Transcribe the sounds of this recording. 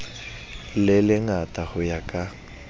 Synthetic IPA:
lɪlɪŋatʼahʊjakʼa

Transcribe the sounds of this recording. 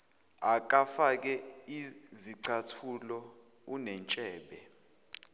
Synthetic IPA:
ak̬ʼafak̬ɛiziǀʰatʰulɔunɛnt͡ʃʼɛːɓɛ

